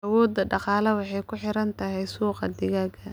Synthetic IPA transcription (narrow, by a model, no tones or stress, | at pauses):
ʔɐwɔːd̪ːɐɖɑqɑːlɐwɑħɑjkʰʊħɪɾɐnt̪ʰɐɦɛjsuːqɑd̪ɪɣaːɡʰɐ